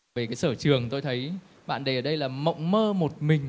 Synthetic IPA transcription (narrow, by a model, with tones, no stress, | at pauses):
e˨˩kaː˨˦jsəː˧˩t͡ɕɨ˨˩əŋt̪o˧jt̪ʰə˨˦j | ɓa̰ː˧˨nɗe˨˩ʔəː˧˩ɗə˧jlaː˨˩mə̰˧˨wŋ͡mməː˧mo˨˩t̚mï˨˩ŋ̟